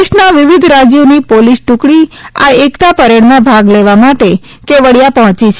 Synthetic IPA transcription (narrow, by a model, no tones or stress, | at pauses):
ɪʃnaʋɪʋid̪ʱɾad͡ʒjonipolisʈũkɽia̰ekt̪apəɾeɽnabʱaɡleʋamaʈe | keʋəɽjapəɦɔ̃t͡ʃit͡ʃʰ